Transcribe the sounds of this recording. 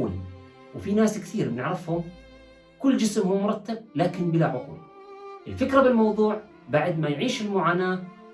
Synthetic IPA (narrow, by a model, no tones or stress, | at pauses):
ɪ̰n | wfinaːskθiːɾbɪnɪʕɾɪfhʊm | kʊlːd͡ʒɪsmhuːmʊɾˤɑt̪ːab̚laːkɪnbɪlaʕʊqṵːl | ʔɪlfɪkɾabɪlmɑwðˤuːʕ | baʕd̪majʕiːʃɪlmʊʕaːnaː